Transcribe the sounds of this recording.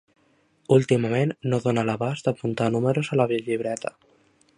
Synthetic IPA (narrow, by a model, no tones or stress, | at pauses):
ulˠt̪imamenːoðonalaβazd̪apunt̪anumeɾozalaβiʎiβ̞ɾɛt̪a̰